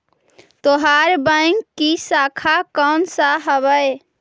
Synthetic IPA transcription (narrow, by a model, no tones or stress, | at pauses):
t̪oɦaɾbəɪŋkːisakʰakɔnsaɦəβəj